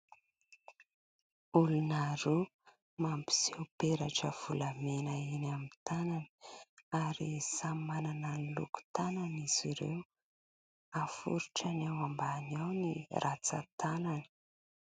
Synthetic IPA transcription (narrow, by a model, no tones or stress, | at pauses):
ulunaɾu | mampi̥z̥ewpeɾaʈ͡ʂəv̥ulamenainamit̪ananə̥aɾisamanananilṵku̥t̪ananiz̥iɾḛw | afṵɾuʈ͡ʂanawambanawnirʔat͡sa̰t̪ananə̥